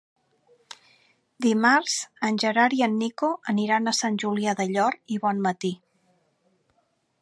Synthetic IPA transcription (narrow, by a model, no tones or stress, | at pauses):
d̪imaɾz̥ənʲʒəɾaɾiənːikoəniɾanəsanʲʒuliaðəʎɔɾiβɔnmət̪i